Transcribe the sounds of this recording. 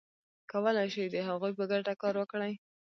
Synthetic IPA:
kawəlajʃijd̪əɦaɣujpəɡaʈakɑɾwəkɽaj

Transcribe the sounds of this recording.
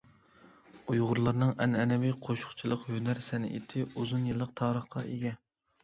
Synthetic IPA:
ujʁʊɾlˠɑɾnɨŋʔɛnɛnɛviqʰoʃʊ̥χt͡ʃʰilˠəqhønæɾsɛnɪ̰ḛt̪ʰɪuzunjɨlˠːəq̚t̪ʰɑːɾəχqɑeɡʲɛ

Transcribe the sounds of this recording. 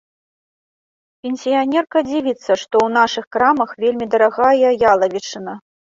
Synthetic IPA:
pʲenʲsʲijanʲɛrkɐd͡zʲivʲit̪sːɐʂt̪ɔwnaʂɨxkɾamɐxvʲelʲmʲid̪ɐɾaɣajɐjalˠɐvʲit͡ʂɨnɐ

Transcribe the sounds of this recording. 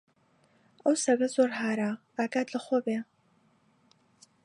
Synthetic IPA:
ɐwsɐɣɐzoːɾɦaːɾa | aːɡaːd̪lɐχoːbe

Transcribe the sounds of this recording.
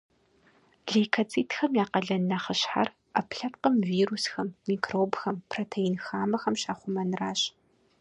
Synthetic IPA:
ɮekʰɐt͡sʰʼiːtʰxɐmjaːqɐɮɐnːɐχəɕħa̰r | ɐpɬɐpqəmviːrusxɐmːiːkʰroːbxɐmpʰroːtʰejinxaːmɐxɐmɕaːχʷʊmɐnraːɕ

